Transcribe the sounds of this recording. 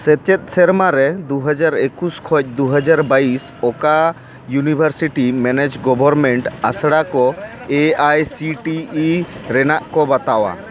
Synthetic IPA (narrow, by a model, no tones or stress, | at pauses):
sɛt͡ʃɛt̪̚ˀsɛɾmaɾɛd̪uɦəd͡ʒaɾekuskʰɔc̚ˀd̪uɦəd͡ʒaɾbais | ɔka | junibʱəɾsiʈimɛned͡ʒɡɔbʱɔɾmɛɳʈasɽakɔeajsiʈiːɾɛnaʔkɔbat̪awa̰